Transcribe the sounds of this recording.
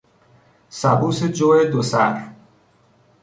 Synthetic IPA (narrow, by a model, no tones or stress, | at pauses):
sæbuːsed͡ʒoːed̪osæ̰ɾ